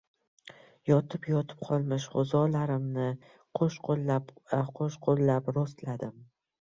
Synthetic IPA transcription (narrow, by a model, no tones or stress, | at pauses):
jɒt̪ʰɪpjɒt̪ʰɪ̥p̚qʰɒlˠmɪʃχozɒlaɾɪmnɪ | qʰoʃqolːapaqʰoʃqʰolˠːapɾost̪lad̪ɪm